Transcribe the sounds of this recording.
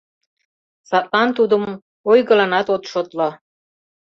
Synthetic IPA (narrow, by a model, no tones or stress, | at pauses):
sɑt̪̚lɑnt̪ud̪ə̆m | ojɣɤ̆lɑnɑt̪ot̪ʃot̪lo